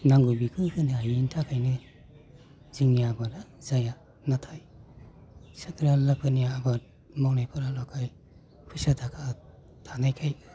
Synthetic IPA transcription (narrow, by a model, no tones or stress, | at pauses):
naŋɡubikʰɯkʰɯnɯaiintʰakʰajnɯ | ziŋjabalazaja | natʰaj | sakʰɾalapʰɯnijaːba | mawnajpʰaɾalɔkʰaj | kʰusatʰakʰa | tʰanajkʰaj